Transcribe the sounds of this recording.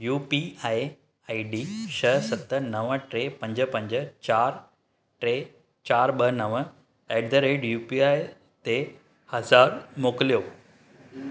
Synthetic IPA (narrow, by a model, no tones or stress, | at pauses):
juːpiae | aiɖiʃʰəsɐt̪ənəʋəʈɾepɐ̃ɲd͡ʑəpɐ̃ɲd͡ʑt͡ɕaːɾ | ʈɾe | t͡ɕaːɾɓəɦnəʋə | ɛːɖ̚d̪əɾeːɖjuːpiae | t̪e | hɐzaːɾmoːklijoː